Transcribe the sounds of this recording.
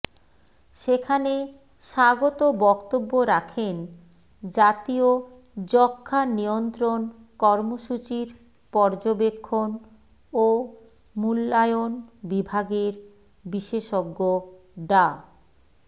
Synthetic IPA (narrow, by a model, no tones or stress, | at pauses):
ʃekʰane | ʃaɡot̪obɔkt̪obːoɾakʰen | d͡ʑat̪io | d͡ʑɔkʰːaniont̪ɾon | kɔɾmoʃut͡ɕiɾ | pɔɾd͡ʑobekʰːon | o | mulːajonbibʱaɡeɾ | biʃeʃoɡːo | ɖa